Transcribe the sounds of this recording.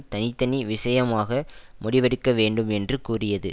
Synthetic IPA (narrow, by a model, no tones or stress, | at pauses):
t̪ɐnɪt̪ːɐniʋɪsɐjɐmaːɣɐmʊɽɪʋɐɽɯkːɐʋeːɳɖɯmɛndrɯkuːrɪjɐðɯ̰